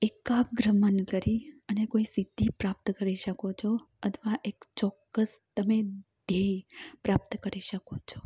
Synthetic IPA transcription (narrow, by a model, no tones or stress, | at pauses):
ekaɡɾəmənkəɾiənekoisid̪ʱipɾap̚t̪kəɾiʃəkot͡ʃʰo | ət̪ʰʋaʔekt͡ʃɔkːəs | t̪əmed̪̥ʱejpɾap̚t̪kəɾiʃəkot͡ʃʰo̥